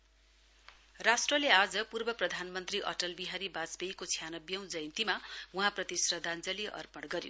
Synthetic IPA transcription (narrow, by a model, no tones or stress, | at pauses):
rasʈrʌlead͡zʌpurbʌprʌd̪ʱanmʌnt̪riʔʌ̰ʈʌlbiɦaɾibat͡sbejkot͡sʰjanʌbjʌw̃d͡zʌjnt̪imauɦãprʌt̪isrʌd̪ʱand͡zʌliʔʌ̰rpʌɽɡʌɾjo̰